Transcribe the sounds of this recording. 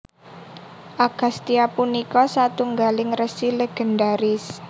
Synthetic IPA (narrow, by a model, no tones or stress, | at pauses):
ʔaɡ̥a̤st̪iapunikɔsat̪uŋɡalɪŋrəsileɡ̥ə̤ndaɾɪs